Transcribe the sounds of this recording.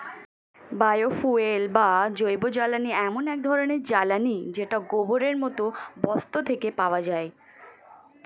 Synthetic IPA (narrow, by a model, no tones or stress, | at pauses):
bajofuelbad͡ʑojbod͡ʑalaniɛmonɛk̚d̪ʱɔɾoneɾd͡ʑalanid͡ʑeʈaɡoboɾeɾmɔt̪obɔst̪ot̪ʰekepaoad͡ʑae